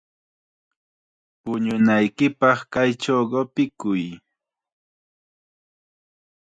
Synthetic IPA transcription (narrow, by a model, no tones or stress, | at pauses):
pʊɲʊnajkɪpɑχkajʈ͡ʂawɢopɪkʊj